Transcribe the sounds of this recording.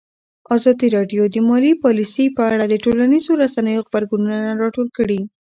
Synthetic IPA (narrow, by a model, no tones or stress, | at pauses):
azɑd̪iɾɑɖjod̪əmɑlipɑlisəjpəaɽad̪əʈolanizoɾasanəjoɣbaɾɡununanaɾɑʈolkəɽi